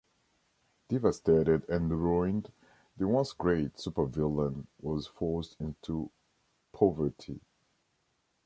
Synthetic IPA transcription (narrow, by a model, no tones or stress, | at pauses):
d̥ivəsteɾɪdɛ̃nɹɔ̃ɪ̃nd | ðɨwʌ̃nsɡɹeɪtsupə˞vɪlə̃nwɔz̥fɔɹsdɪ̃ntʰu | pʰɔvə˞tʰi